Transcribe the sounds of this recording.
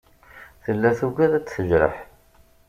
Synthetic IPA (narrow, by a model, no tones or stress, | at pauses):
θəlːæθuɡæðæt͡sːθəʒɾə̰ħ